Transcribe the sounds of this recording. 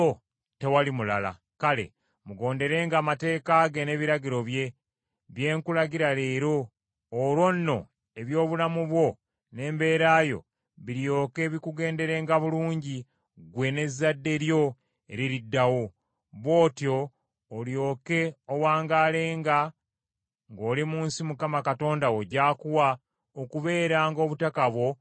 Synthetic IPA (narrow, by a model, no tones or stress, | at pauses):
o | te̞walimulala̰ | kale̞̰ | muɡo̞ːnde̞ɾe̞ːŋɡaːmate̞ːkaɡe̞ne̞βiɾaɡiɾo̞βje̞ | βje̞ːŋkulaɡiɾale̞ːɾo̞ː | ɾwo̞nːo̞̰ | e̞βjo̞ːβulamuβwo̞ | ne̞ːmbe̞ːɾaːjo̞̰ | βiɾjo̞ːke̞ːβikuɡe̞ːnde̞ɾe̞ːŋɡaβuluːɲɟi | ɡwe̞ne̞zːadːe̞ɾjo̞ | ḛɾiɾidːawo̞ | βwo̞ːtjo̞ː | ljo̞ːke̞owaːŋɡaːle̞ːŋɡa | ŋɡo̞ːlimuːnsimukamakato̞ːndawo̞ɟaːkuwa | okuβe̞ːɾaːŋɡo̞ːβutakaβwo̞